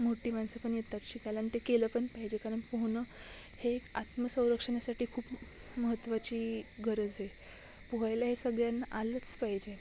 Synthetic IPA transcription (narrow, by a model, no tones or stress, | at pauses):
moʈiːmansəpəɳjet̪at̪ɕikajlaːnit̪ekeləːpəɳpaɦid͡ʑekaɾəɳpəɦnə | hekat̪məsə̃w̃ɾəkʂənasaʈʰiːkʰuːp | məɦət̪ːʋat͡ɕiːɡʱəɾəd͡zɦe | puɦajlaɦesəɡɭjanaʔalət͡spaɦid͡ʑe